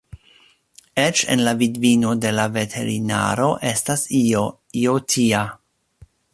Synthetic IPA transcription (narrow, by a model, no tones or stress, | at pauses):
et͡ʃḛnlavidvino̞de̞lave̞tʰe̞ɾina̰ɾo̞ʔe̞stas | iotʰia